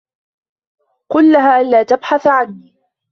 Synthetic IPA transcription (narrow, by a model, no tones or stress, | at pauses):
qʊlːaɦaːʔanlaːt̪abħaθʕanːiː